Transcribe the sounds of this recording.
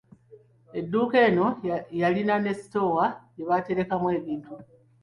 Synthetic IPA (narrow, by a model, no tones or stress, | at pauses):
e̞dːuːke̞ːno̞jalinane̞si̥to̞wajeβate̞ɾe̞kamwe̞ːβiːntu